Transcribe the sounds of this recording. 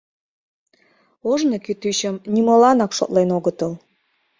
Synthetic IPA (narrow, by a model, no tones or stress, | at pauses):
oʒnokyt̪yɕəmnʲimolɑnɑkʃo̰t̪lenoɣət̪əl